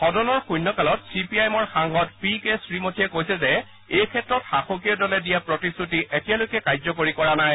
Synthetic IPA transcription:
xɔdɔnɔɹxujnːɔkalɔtsipiajmɔɹxaŋɦɔtpikesɹimotʰiɛkojsɛzɛ | ejkʰɛtɹɔtxaxokijɔdɔlɛdijapɹotisutiʔetijalojkɛkajzɔkoɹikɔɹanaj

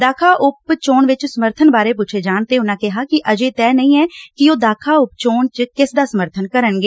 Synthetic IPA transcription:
d̪aːkʰaːʔʊpt͡ʃoːɳʋɪt͡ʃsəməɾt̪ʰənbaːɾeːpuːt͡ʃʰeːd͡ʒaːɳt̪eːʊnãːkɪɦaːkɪʔəd͡ʒeːt̪ɛːnəĩːɛːkɪoːd̪aːkʰaːʊpt͡ʃoːɳt͡ʃkɪsd̪aːsəməɾt̪ʰənkəɾənɡeː

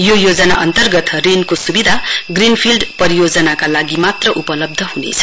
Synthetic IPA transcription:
jojod͡zʌna̰ʔʌnt̪ʌrɡʌt̪rinkosubid̪ʱaɡrinpʰilɖpʌɾijod͡zʌnakalaɡimat̪rʌʔupʌlʌb̚d̪ʱʌɦunḛt͡sʰʌ̥

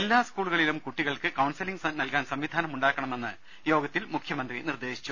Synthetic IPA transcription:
elːaːskuːɭuɣɐɭilumkuʈːiɣɐɭkɨkɐwnsiliŋɡsɐnɐlkaːnsɐmʋid̪ʱaːnɐmuɳɖaːkːɐɳɐme̞nːɨ | jo̞ːɡɐt̪ːilmukʰjɐmɐnd̪rinird̪e̞ːɕi̥t͡ɕːu

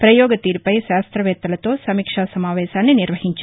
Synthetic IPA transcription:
pɾɐjɔːɡɐt̪iːɾpɐjʃaːst̪ɾɐʋɛːt̪ːɐlɐt̪oːsɐmiːkʂaːsɐmaːʋɛːsaːnːeniɾʋɐɦiɲt͡ʃu̥

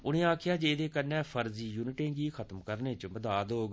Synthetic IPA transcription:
ʊnẽːaːkʰɪjaːd͡ʒeːd̪eːkənːɛːpʰəɾziːjuːnɪʈẽːɡiːkʰət̪mkəɾnẽːt͡ʃəbəd̪aːd̪oːɡ

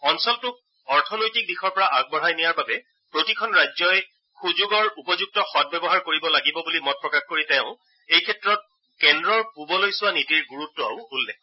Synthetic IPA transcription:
ɔnsɔltʊ | ɔɹtʰɔnojtik̚dixɔɹpɔɹaʔaɡ̚bɔɦajnijaɹbabɛ | pɹotikʰɔnɹajzɔj | xuzoɡɔɹupɔzuk̚tɔxɔd̚bɛbɔɦaɹkoɹibɔlaɡibɔbulimɔt̚pɹɔkaxkoɹitɛʊ̃ | ejkʰɛtɹɔt̚ | kɛndɹɔɹpubɔlojsʊwanitiɹɡuɹutːɔa̰ʊulːɛ

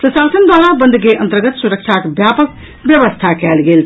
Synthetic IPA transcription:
pɾəsasənd̪alabənd̪ʱkeʔə̰̃nt̪əɾɡət̪suɾək̚t͡ʃʰakbjapək | bjəʋəst̪ʰakɛːlɡeːl

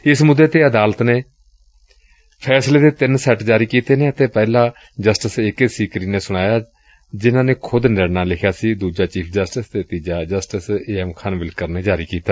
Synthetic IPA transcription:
ɪsmʊd̪ːeːt̪eːəd̪aːlt̪neː | pʰɛːsleːd̪eːt̪ɪnsɛʈd͡ʒaːɾiːkiːt̪eːneːət̪ẽːpɛːlãː | d͡ʒəsʈəsɪkesiːkɾiːneːsʊɽ̃aːjaː | d͡ʒɪnãːneːkʰʊd̪nɪɽnaːlɪkʰjaːsiːd̪uːd͡ʒaːt͡ʃiːpʰd͡ʒəsʈəsd̪eːt̪iːd͡ʒaːd͡ʒəsʈɪseːɛmkʰənʋɪlkəɾneːd͡ʒaːɾiːkiːt̪aː

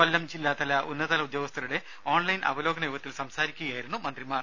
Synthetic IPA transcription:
ɐlːɐmt͡ɕilːaːt̪ɐlɐʔunːɐðɐːlɐud̪joːɡɐst̪ʰɐɾuɽe̞ | oːɳlɐjnʔɐ̰ʋɐlo̞ːɡɐnɐjuːʋɐt̪ːilsɐmsaːɾikʲːuɣɐjaːjiɾunːumɐnd̪rimaːr

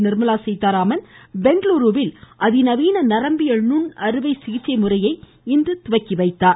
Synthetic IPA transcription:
nɪɾmɐlaːsɐɪt̪ːaːɾaːmɐnbɛɳɖloːɾuːʋɪlʔɐðinɐʋiːnɐnɐɾɐmbɪjɐɭnʊnɐɾɯʋɐɪsɪɣɪʈt͡ʃːɐɪmʊrɐjɐɪ | ɪnd̪ɯt̪ʊʋɐkːiʋɐɪt̪ːaːɾ

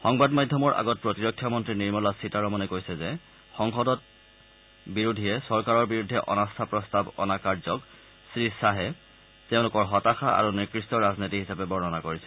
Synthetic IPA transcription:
xɔŋbadmadʱjɔmɔɹʔa̰ɡɔt̚pɹɔtiɹɔkʰːjɔmɔntɹiniɹmɔlasitaɹɔmɔnɛkojsɛzɛ | xɔŋxɔdɔt̚ | biɹudʱiɛsɔɹkaɹɔɹbiɹudʱːɛʔɔ̰nastʰapɹɔstabɔ̰nakaɹzɔk | sɹisaɦɛ | tɛʊ̃lʊkɔɹɦɔtaxaa̰ɹuniɹkɹistɔɹaznitiɦisapɛbɔɹɔnɔnakoɹisɛ̥

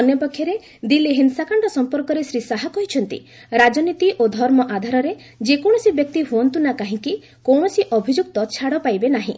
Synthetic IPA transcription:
ɔnjɔpɔkʰjɔɾe | d̪ileɦinsakaɳɖɔsɔmpɔɾkɔɾesɾisaɦakɔɦit͡ʃʰɔnt̪ḭ | ɾad͡ʒɔnit̪iʔod̪ʱɔɾmɔʔad̪ʱaɾɔɾe | d͡ʒekɔɽ̃ɔsibjɔk̚t̪iɦuɔnt̪unakaɦĩki | kɔwɳ̃ɔsiʔɔbʱid͡ʒuk̚t̪ɔt͡ʃʰaɽɔpajbenaɦḭ̃

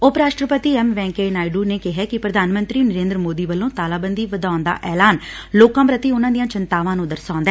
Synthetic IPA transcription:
ʊpɾaːʃʈɾəpət̪iːɛmʋɛ̃ːŋkeːnaːiɖuːneːkɪɦɛːkɪpɾəd̪ʱaːnmənt̪ɾiːnəɾẽːnd̪ɾəmoːd̪iːʋəlːõːt̪aːlaːbənd̪iːʋəd̪aːnd̪a̰ːʔɛːlaːn | loːkãːpɾət̪iːʊnãːd̪ijãːt͡ʃənt̪aːʋãːnũːd̪əɾsãːnd̪aɛː

